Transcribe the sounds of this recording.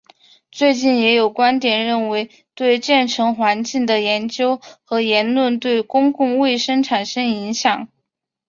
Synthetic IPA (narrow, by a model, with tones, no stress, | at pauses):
t͡swe˥˧ɪt͡ɕi˥˩njɛ˧˥jo˨˩ʊkwa˥nt̪jɛ˨˩nɻə˥˩nwe˧˥ɪ | t̪we˥˧ɪt͡ɕjɛ˥˩nʈ͡ʂʰɤ˧˥ŋxwa˧˥nt͡ɕi˥˩d̪ə˩jɛ˧˥nt͡ɕjo˥ʊxɤ˧˥jɛ˧˥nlwə˥˧nt̪we˥˩ɪkʊ˥ŋkʊ˥˧ŋwe˥˩ɪʂɤ˥ŋʈ͡ʂʰa˨˩nʂɤ˥ŋi˧˥ŋɕjɑ˨˩˦ŋ